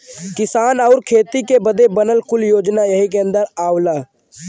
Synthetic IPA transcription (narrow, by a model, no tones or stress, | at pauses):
kɪsaːnəʊɾkʰeːt̪ikebəd̪ebənəlkʊljoːd͡ʒnajəɦikeə̃nd̪əɾaːʊla